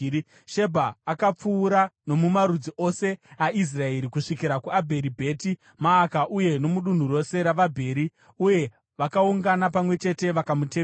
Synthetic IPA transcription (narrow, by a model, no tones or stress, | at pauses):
ʃe̞bʱaːkap͡fuːɾano̞mumaɾud͡ziʔo̞se̞ais̬rae̞ɾikuʂikiɾakuabʱe̞ɾibʱe̞ːti | maːkaʔuje̞no̞muɗun̤uro̞se̞ɾaʋabʱe̞ːɾi | uje̞ | ʋakauŋɡanapamwe̞t͡ʃe̞te̞ʋakamuteː